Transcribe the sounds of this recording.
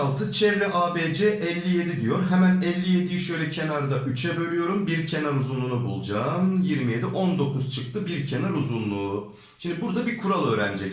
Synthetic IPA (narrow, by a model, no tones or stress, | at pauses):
lˠt̪ʰɯt͡ʃʰɛɾlʲɛʔaːbeːd͡ʒɛʔɛlʲːije̞d̪id̪ijo̞ɾɦemænɛlʲːije̞d̪ijyʃø̞jlʲɛcʰe̞naɾd̪aʔyt͡ʃʰɛbø̞ɾyjo̞ɾumbiɾcʰe̞naɾuzunlˠunubulˠd͡ʒaːmjiɾmije̞d̪iʔo̞nd̪o̞kʰuz̥t͡ʃʰɯk̚t̪ʰɯbiɾcʰe̞naɾuzunlˠuː | ʃimd̪ibuɾd̪abikʰuɾalˠø̞ːɾæ̰nd͡ʒɛc